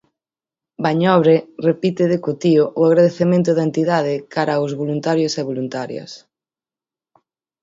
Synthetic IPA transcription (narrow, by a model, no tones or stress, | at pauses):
baɲɔβɾerepit̪ɪðekut̪ioʔʊaɣɾaðeθemẽnt̪ʊðaent̪iðaðɪkaɾawzβolunt̪aɾjoseβolunt̪aɾjɐ̰s